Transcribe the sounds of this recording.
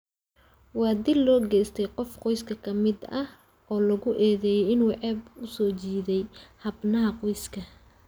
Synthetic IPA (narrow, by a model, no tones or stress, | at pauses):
wɑːd̪ɪlːɔːɡɛːst̪ʰɛjqɔfqɔjskʰɐkʰɐmɪd̪ɐh | ɔːlɐɣʊʔɛːðɛːjɛɪnwɑʕɛːbʊsɔːt͡ʃiːðɛjhɐbnɐɦɐqɔjskʰɐ